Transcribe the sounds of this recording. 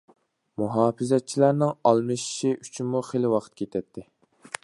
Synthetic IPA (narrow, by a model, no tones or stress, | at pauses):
muɦɑːfɨzɛt͡ʃʰilæɾnɨŋɑlˠmɨʃi̥ʃiʔy̥t͡ʃʰinmuχelɪwɑqʰə̥t̪̚kʲʰet̪ʰɛt̪ʰːɪ